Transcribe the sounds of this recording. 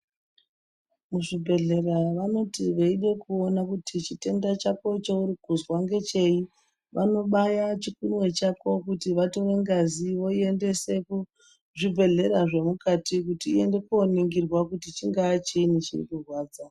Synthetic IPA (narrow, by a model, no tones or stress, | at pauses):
muʐibʱe̞ɮe̞raʋano̞tiʋeiɗe̞kuonakutʰit͡ʃite̞ndat͡ʃako̞t͡ʃo̞uɾikuzwaŋɡe̞t͡ʃe̞i | ʋʔano̞ɓajat͡ʃikunwe̞t͡ʃako̞kutiʋato̞ʋe̞ŋɡaziʋo̞iende̞seku | ʐibʱe̞ɮe̞ɾaʐe̞mukatik̬utiːe̞nde̞kooniŋɡirwakutit͡ʃiŋɡaːt͡ʃiinit͡ʃḭrḭkurwaːd͡za